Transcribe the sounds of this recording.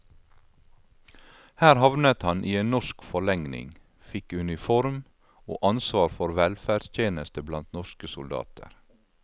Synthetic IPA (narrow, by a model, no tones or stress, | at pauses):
hæːɾhɑʋnət̪hɑnʔiːeːnnɔʃkfɔɭɛŋnɪ̰ŋ | fɪkʉnɪfɔɾm | o̰ːʔɑnsʋɑːɾfɔɾʋɛlfæːɖst̪ʰjeːnəst̪əblɑnt̪nɔʃkəsʊld̪ɑ̰ːt̪ʰə̰ɾ